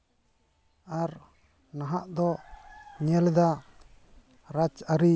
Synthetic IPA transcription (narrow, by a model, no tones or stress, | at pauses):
aɾ | naɦaʔd̪ɔ | ɲɛld̪a | ɾat͡ʃaɾi